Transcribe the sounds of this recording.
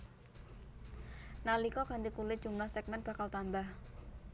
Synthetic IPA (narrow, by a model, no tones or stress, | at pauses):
nalikɔɡ̥ant̪ikulɪd̥ʒ̥ṳmlahsɛk̚mɛn̚b̥ä̤kalt̪ambah